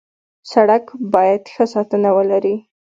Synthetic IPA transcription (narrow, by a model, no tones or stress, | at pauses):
saɽakbɑjad̪xəsɑt̪ənawəlaɾi